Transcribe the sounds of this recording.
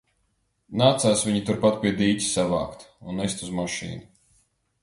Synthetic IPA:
naːt̪saːsviɲit̪uɾpat̪̚pʲiɛd̪iːt̪ʲi̥sava̰ːkt̪unːɛst̪uzmaʃḭːnu

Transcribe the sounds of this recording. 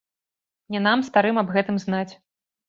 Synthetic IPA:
nʲɛnamst̪aɾɨmɐbɣɛt̪ɨmznat͡sʲ

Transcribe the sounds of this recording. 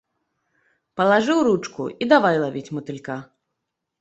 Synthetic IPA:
pɐlˠaʐɨwɾut͡ʂkṵid̪avajlˠavʲit͡sʲmɐt̪ɨlʲka

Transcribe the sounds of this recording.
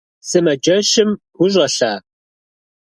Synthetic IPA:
sɨmɐd͡ʒɐʃɪmɡʷʊʒʼɐɬaː

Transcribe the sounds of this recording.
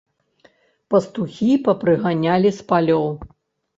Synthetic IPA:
pɐst̪uxʲipɐpɾɨɣanʲalʲispalʲɔw

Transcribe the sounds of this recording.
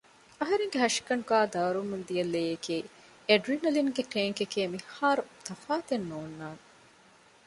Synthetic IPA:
ɐɦɐɾeŋɡeɦɐʂi̥kɐɳuɡaːd̪ɐʋɐɾumund̪iɐlːeːjekiː | eɖɾinɐliŋɡekeːŋkekeːmihaːɾut̪ɐfaːt̪enːoːnːaːne

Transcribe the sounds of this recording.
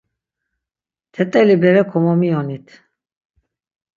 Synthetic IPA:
t̪ʰɛt̪ʼɛlibɛɾɛkʰɔmɔmiɔnit̪ʰ

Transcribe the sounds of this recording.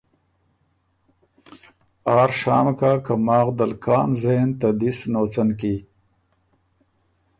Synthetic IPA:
ɑːɾʂɑːmkakamɑːɣd̪alkʰɑːnzeːnt̪ad̪isnoːt͡sanki

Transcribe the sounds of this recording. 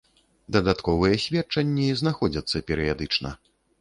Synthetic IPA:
d̪ɐd̪at̪kɔvɨjɛsʲvʲɛtt͡ʂɐnʲːiznaxɔd͡zʲɐt̪sːɐpʲɛɾɨjad̪ɨt͡ʂnɐ̰

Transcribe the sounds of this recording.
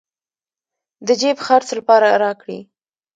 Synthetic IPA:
d̪əd͡ʒebxɑɾt͡slapɑɾaɾɑkɽḭ

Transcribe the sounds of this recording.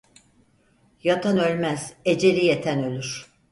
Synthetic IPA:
jat̪ʰanø̞lʲmæz̥ed͡ʒe̞lʲijet̪ʰænø̞lʲyɾ̥

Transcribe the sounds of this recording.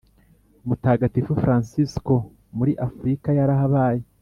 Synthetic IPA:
umutaːɡatifufɾaːnsisko̞ | muɾiʔafuɾikajaɾaɦaβaːje

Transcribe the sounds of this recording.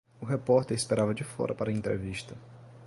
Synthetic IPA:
ʊɦepɔɾt̪eɾɪspeɾavɐd͡ʒɪfɔ̰ɾʔɐpaɾɐẽnt̪ɾeviʃt̪ɐ

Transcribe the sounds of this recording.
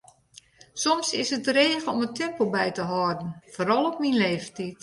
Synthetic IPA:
sɔmsɪsət̚dəreːɣəɔmətʰɛmpəlˠbɛjtəɦɔrdən̩foːɾɔlˠɔpminleːftit̚

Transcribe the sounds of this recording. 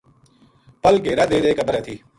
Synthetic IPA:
pɐlkeːɾad̪eːd̪ekɐbəɾɛːt̪ʰiː

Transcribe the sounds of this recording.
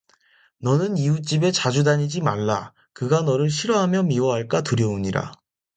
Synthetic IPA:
nʌnɯniut͡ɕ͈ibe̞t͡ɕad͡ʑudaɲid͡ʑimaɭːa | kɯɡanʌɾɯɭɕʰiɾʌɦamjʌmiwʌɦaɭk͈atuɾjʌuɲiɾa̰

